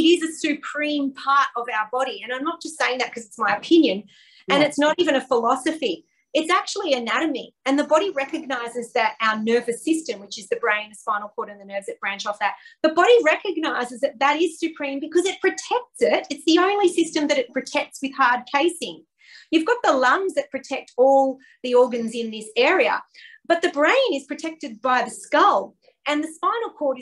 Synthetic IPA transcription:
ɨɾɪzɨsɨpʰɹ̥ĩmpʰɑɹɾʌvaʊə˞bɑɾiɨ̃nãɪ̃mnət̚d̥ʒ̥ʌstseɪɪ̃ŋðɨt̚kʰʌzɨtsmaɪɨpʰɪ̃njɨ̃n | ɨ̃nɨtsnəɾivɨ̃ñɨfəlɑsɨfi | ɨtsæk̚t͡ʃul̩ˠiɨnæɾɨmiɨ̃nðɨbɑɾiɹɛkɨɡ̚naɪzɨzðɨɾaʊə˞nɜ˞vɨsɪstɨ̃mwɨt͡ʃɨzðɨbɹẽɪ̃nɨspãɪ̃nl̩ˠpʰɔɹɾɨ̃nðɨnɜ˞vzɨt̚b̥ɹæ̃nt͡ʃɔfðɨt̪̚ðəbɑɾiɹɛkɨɡ̚naɪzɨzðɨt̪̚ðɨɾɪz̥sɨpʰɹ̥ĩmbɨkʰʌzɨt̚pʰɹ̥ɨtʰɛk̚tsɪɾɨtsðiõʊ̃nlisɪstɨ̃mðɨɾɨt̚pʰɹ̥ɨtʰɛk̚tswɨð̥hɑɹd̚kʰeɪsɪ̃ŋ | jʉvɡɑt̪̚ðəlʌ̃mzðɨt̚pʰɹ̥ɨtʰɛk̚tʰɔlˠ | ðiɔɹɡɨ̃nzɨ̃nðɪsɛɹiə̰ | b̥ʌt̪̚ðɨbɹẽɪ̃nɨz̥pʰɹ̥ɨtʰɛk̚tɨd̚baɪðɨskʌlˠ | ɨ̃nðɨspãɪ̃nl̩ˠkʰɔɹɾɨ

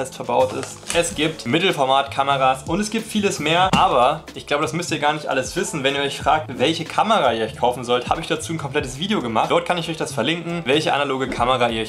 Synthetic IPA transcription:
ɛstfɛɐbaʊtɪ̰stʔɛsɡ̥iːp̚tmɪtl̩fɔɐmaːtkʰaməʁaːsʔʊntɛsɡ̥iːp̚tfiːləsmeːɐɐʔaːbɐʔɪçɡ̥laʊbədasmʏstiːɐɡaːɐnɪçtʔa̰ləsv̥ɪsn̩vɛniːɐɔçfʁ̥aːk̚tvɛlçəkʰaməʁaːiːɐɔʏçkʰaʊfn̩zɔlthaːbəɪçd̥at͡suːn̩kʰɔmplɛtəsv̥iːdeoɡəmaχtd̥ɔɐt̚kʰanɪçɔʏçd̥asfɛɐlɪŋkŋ̩vɛlçəʔa̰naloːɡəkʰaməʁaːiːɐ

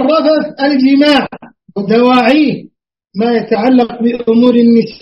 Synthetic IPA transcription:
rˤːɑfasald͡ʒɪmaːʕ | wɪd̪awaːʕiːh | maːjat̪aʕalːaq̚bɪʔʊmuːɾanːɪs

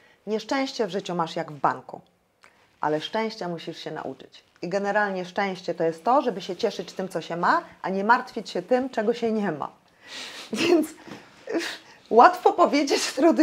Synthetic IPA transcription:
ɲɛʂt͡ʂɛ̃w̃ɕt͡ɕɛvʐɘt͡ɕumaʂjaɡvba̰ŋkṵ | ʔa̰lɛʂt͡ʂɛ̃w̃ɕt͡ɕɛmuɕiʂɕɛna̰ʔṵt͡ʂɘ̥t͡ɕ | iɡɛnɛɾalɲɛʂt͡ʂɛ̃w̃ɕt͡ɕɛt̪ɔjɛst̪ːɔʐɛbɘɕɛt͡ɕɛʂɘt͡ɕt̪ɘmt̪sɔɕɛmaʔaɲɛmaɾt̪fʲjet͡ɕɕɛt̪ɘmt͡ʂɛɡɔɕɛɲɛma̰ | vʲjɛnt̪s | wat̪fɔpɔvʲjed͡ʑet͡ɕst̪ɾɔd̪

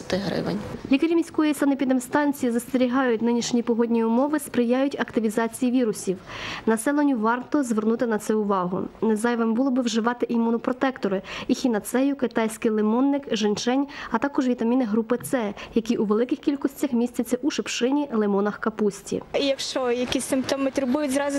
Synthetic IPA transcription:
t̪ɪɦɾɪ̰ʋɐ̰nʲlʲikɐɾʲimʲisʲkɔjisɑnɪpʲid̪ɪmst̪ɑnʲt͡sʲijizɐst̪eɾʲiɦɑjʊtʲnɪnʲiʃnʲipɔɦɔdʲnʲijʊmɔʋɪspɾɪjɑjʊtʲɐkt̪ɪʋʲizɑt͡sʲijiʋʲiɾʊsʲiwnɐsɛlˠenʲːʊʋɑrt̪ɔzʋernut̪ɪnɐt̪sɛʊʋɑɦʊ̰nezɑjʋembulˠɔbɪwʒɪʋɑt̪ɪʔimunɔpɾɔt̪ɛkt̪ɔɾɪixʲinɐt̪sɛjʊkɪt̪ɑjsʲkɪjlˠemɔnːɪkʒɪnt͡ʃɛnʲɐt̪ɑkɔʒʋʲit̪ɐmʲinɪɦɾupɪt̪sɛjɐkʲiʔuʋelˠɪkɪxkʲilʲkɔsʲt͡sʲɐxmʲisʲt͡sʲɐt͡sʲːɐʔuʃɪpʃɪnʲilˠemɔnɐxkɐpusʲtʲḭijɐkʃt͡ʃɔjɐkʲisʲsɪmpt̪ɔmɪt̪ʊɾbujʊzɾɑzʊ

